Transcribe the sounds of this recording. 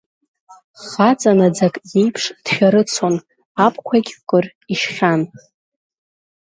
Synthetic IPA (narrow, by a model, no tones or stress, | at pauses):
χat͡sʼanad͡zakʼjejpʰʂd̥ħᶣaɾɨt͡sʰon | apʰʼkʷʰakʲʼkʼʊr | iʃχʲan